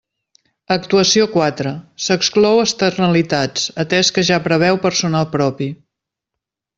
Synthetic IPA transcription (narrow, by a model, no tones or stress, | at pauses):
ək̚t̪uəsiokwat̪ɾəsəksklɔwəst̪ərnəlit̪at͡sət̪ɛskəʒapɾəβ̞ɛwpəɾsunalˠpɾɔpi